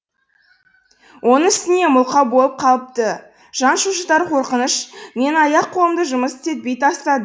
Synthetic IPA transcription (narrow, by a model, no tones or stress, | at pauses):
wʔo̞nəɴɪst̪ɪne̞mʊlˠqɑbo̞lˠəp̚qʰɑlˠəp̚t̪ə | ʒ̥ɑnʃuʃət̪ɑɾqʰo̞ɾqənəʃme̞nɑjɑqʰːolˠəmd̪əʒʊməsɪ̥t̪e̞t̪̚be̞jt̪ɑst̪ɑd̪ə